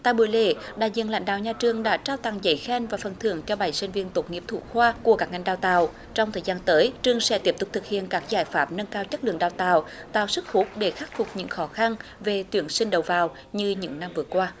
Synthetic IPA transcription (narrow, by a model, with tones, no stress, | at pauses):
t̪a̰ː˧˨jɓu˧˩əjlḛ˧˩ɗa̰ː˧˨jzḭ˧˨ənla̰˧˦ŋ̟ɗa̰ː˧˨wɲaː˨˧˩t͡ɕɨ˨˩əŋɗa̰ː˧˥t͡ɕaː˧wt̪a̰˧˨ŋzə̰˧˦jxɛ˧nvaː˨˩fə˨˩nt̪ʰɨ̰˧˩əŋt͡ɕɔ˧ɓa˨˧˩jsi˧ŋ̟vi˧ənt̪o˨˩t̚ŋi˧˩əp̚t̪ʰṵ˧˥xwaː˧ku˧˩əkaː˦˥k̚ŋa˨˩jŋ̟ɗaː˧˩wt̪a̰ː˧˨w | t͡ɕɔ˧wŋ͡mt̪ʰəː˨˩jzaː˧nt̪əː˨˦jt͡ɕɨ˨˧˩əŋsɛ̰˧˥t̪i˦˥əp̚t̪ʊ˨˩k͡p̚t̪ʰɨ˨˩k̚hḭ˧˨ənkaː˦˥k̚zaː˧˩jfaː˦˥p̚nə˧nkaː˧wt͡ɕə˦˥lɨ̰˧˨əŋɗaː˧˩wt̪a̰ː˧˨wt̪a̰ː˧˨wsɨ˦˥k̚hu˦˥t̚ɗe˧˩xaː˦˥k̚fʊ˨˩k͡p̚ɲɨ̰˧˥ŋxɔ˨˦xa˧nve˨˩t̪wi˨˧˩ənsï˧ŋ̟ɗə˨˩wvaː˨˩w | ɲɨ˧ɲɨ̰˧˥ŋna˧mvɨ˨˩əkwaː˧